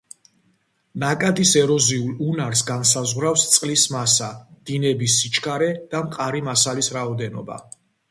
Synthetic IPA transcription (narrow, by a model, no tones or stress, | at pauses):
nakʼad̪isɛɾɔziulˠunaɾsɡansazʁɾafst̪sʼqʼlismasad̪̥inɛbisːit͡ʃʰkʰaɾɛd̪̥amqʼaɾimasalisɾaɔd̪ɛnɔba̰